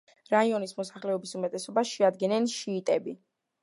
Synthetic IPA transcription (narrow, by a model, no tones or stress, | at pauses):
ɾaiɔnismɔsḁχlɛɔbisumɛt̪ʼɛsɔbaʃɛad̪ɡɛnɛnʃiːt̪ʼɛbi